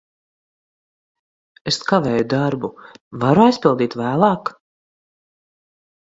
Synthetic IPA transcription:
eskavɛːjud̪aɾbuvaɾajspilˠd̪iːt̪væːlˠɑːk

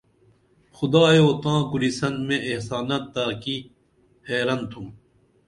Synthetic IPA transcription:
xud̪aːjoːt̪ãːɡuɾisɐnmẽʔːhsaːnat̪ːaːki | heːɾɐnt̪ʰum

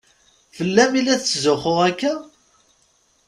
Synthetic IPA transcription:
fəlːæmilːæθt͡szʊχʊʁækːæ

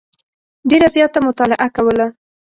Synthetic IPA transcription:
ɖeɾazjɑt̪amʊt̪ɑlɪʔakawəla

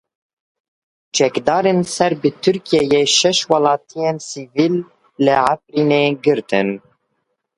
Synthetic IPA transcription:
t͡ʃʰɛkd̪ɑːɾensɛɾbɨt̪ʰyɾkijɛjeʃɛʃwɑlɑːt̪ʰijensiviːlː | ɨʕafɾiːneːɡɨɾt̪ʰɨ̰n

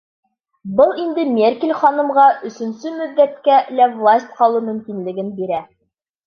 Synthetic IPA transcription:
bɤlˠind̪ɘmʲerkʲelʲχɒnɤ̆mʁɑʔɵ̆sɵ̆nsɵmɵ̆ðːæt̪kælævlˠasʲt̪̚ʲqɒlˠɤmɵ̆mkinlɘ̆ɡɘnbiɾæ

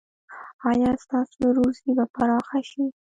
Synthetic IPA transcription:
ɑjɑst̪ɑsoɾusibapaɾɑxaʃi

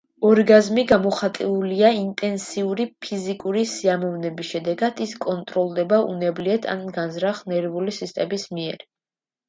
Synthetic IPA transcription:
ɔɾɡazmiɡamɔχat̪ʼiuliaint̪ʼɛnsiuɾipʰizikʼuɾisiamɔvnɛbisʃɛd̪ɛɡad̪̥iskʼɔnt̪ʼɾɔlˠd̪ɛbaʔṵnɛbliɛt̪ʰa̰nɡanzɾaχnɛɾvulisist̪ʼɛmismiɛɾ

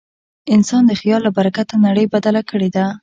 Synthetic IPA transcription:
ɪnsɑnd̪əxijɑlːabaɾakat̪anaɽəjbad̪alakəɽed̪a

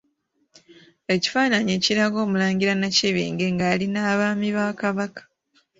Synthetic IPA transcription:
e̞ci̥faːnaɲeːciɾaɡo̞ːmulaːɲɟiɾanaciβḭːŋɡe̞ŋɡaːlinaːβaːmiβaːkaβakḁ

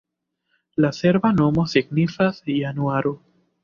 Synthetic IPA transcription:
lase̞ɾbanomosiɡnifasjanuaɾo

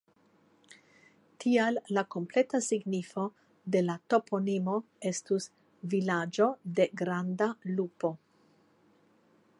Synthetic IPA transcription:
tʰialːako̞mple̞tasiɡnifo̞ | de̞lato̞pʰo̞nimo̞ | e̞stus | vilad͡ʒo̞de̞ɡɾandalupo̞

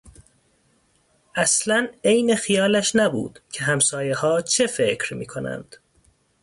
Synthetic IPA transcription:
ʔæslæne̞jnexijɒːlæʃnæbṵːd̪̥cʰe̞ɦæmsɒːjehɒːt͡ʃʰe̞fe̞cʰɾmḭːkʰonæ̰nd̪̥

